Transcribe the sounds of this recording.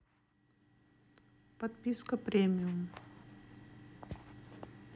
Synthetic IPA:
pət̪piskəpɾemijum

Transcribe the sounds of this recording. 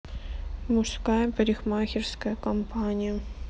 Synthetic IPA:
mʊʂskajəpɐɾʲɪxmaxʲɪrskəjəkɐmpʰanʲɪjə

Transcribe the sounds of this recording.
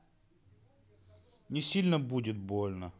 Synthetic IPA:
nʲɪsʲilʲnəbudʲɪt̪̚bolʲnə

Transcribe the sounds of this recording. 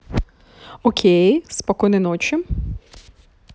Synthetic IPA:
ɔkʲʰejspɐkɔjnɪnɔt͡ʃɪ

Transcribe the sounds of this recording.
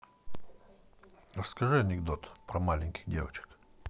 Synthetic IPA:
rəskɐʐɨɐnʲɪɡd̪ot̪pɾɐmalʲɪnʲkʲɪ̥xdʲe̞vət͡ɕɪ̥k

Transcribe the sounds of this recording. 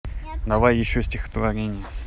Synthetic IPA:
nɐvajjɪɕːosʲtʲɪxə̥t̪vɐɾʲenʲɪjə

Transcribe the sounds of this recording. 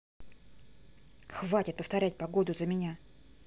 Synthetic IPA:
xvatʲɪt̪̚pəft̪ɐɾʲæt̚ʲpɐɡo̞d̪ʊzəmʲɪnʲa

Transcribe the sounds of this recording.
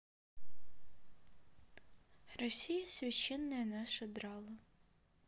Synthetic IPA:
rɔsʲijɐsʲʋʲit͡ʃːɛnːɐjɐnɑʃed̪ɾɑlˠɐ

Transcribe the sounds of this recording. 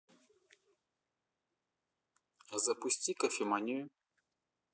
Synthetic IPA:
zɐpʊsʲt͡sʲikɐfʲimanʲijʊ

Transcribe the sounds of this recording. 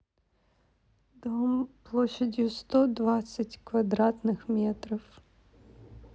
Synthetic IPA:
d̪ɔmplˠɔʃːɐdʲust̪ɔd̪ʋɑt͡sʲːɐtʲkʋɐd̪ɾɑt̪nɪxmʲɛt̪ɾiw

